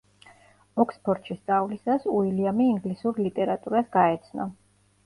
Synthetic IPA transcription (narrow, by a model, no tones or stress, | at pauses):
ɔkspʰɔɾt̪ʃʰist̪sʼavlisasuiliamiːŋɡlisuɾlit̪ʼɛɾat̪ʼuɾasɡaɛt̪sʰnɔ̰